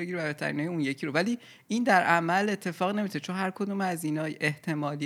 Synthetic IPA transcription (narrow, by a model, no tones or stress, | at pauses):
eɟiɾeæbet̪ʰæ̰ɾḭnɒːjeunje̞cʰiɾovæliː | ind̪æɾʔæmæle̞t̪ʰːe̞fɒːɣine̞miot̪et͡ʃʰonhæɾkʰo̞d̪uːmæzinɒːjʔe̞ht̪ʰe̞mɒːli